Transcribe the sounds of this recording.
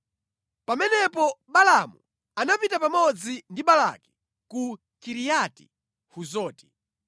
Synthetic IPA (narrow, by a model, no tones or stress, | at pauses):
pamɛnɛpɔɓalamṵ | anapitapamɔd͡zindiɓala̰ki̥ | ku | kiɾijati̥̰ | huzɔːti̥